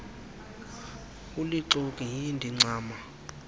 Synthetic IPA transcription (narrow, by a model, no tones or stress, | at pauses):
uliǀokʼiɦindʱiŋ͡ǀaːma